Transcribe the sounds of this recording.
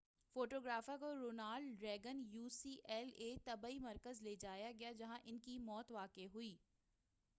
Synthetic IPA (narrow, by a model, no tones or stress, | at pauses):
foːʈoːɡɾaːfakoɾoːnaːlɖɾɛːɡənjuːsiːʔɛːleːt̪ɐbaːimɐɾkəzleːd͡ʒaːjaɡɐjad͡ʒɐɦãʔɪnkimɔːt̪ʋaːkeɦʊiː